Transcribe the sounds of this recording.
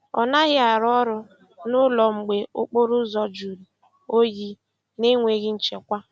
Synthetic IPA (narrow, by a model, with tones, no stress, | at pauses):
ɔ̰˨na˦ɣɪ˦a˨ɾɔ˦ɾʊ˦ | nʊ˦lɔ˨ŋ͡m̩˨ɡ͡be˨ʊ˦k͡pʊ˦ɾʊ˦zɔ˦d͡ʒu˨ɾi˨ | o˦ji˦ | ne˦ŋʷe˨ɣɪ˦n̩˦˨t͡ʃe˨kʷa˦